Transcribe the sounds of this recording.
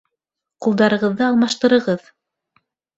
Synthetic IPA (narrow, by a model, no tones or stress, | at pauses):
qulˠd̪ɑɾɤ̆ʁɤ̆ðːɤɑlˠmɑʃt̪ɤ̆ɾɤ̆ʁɤð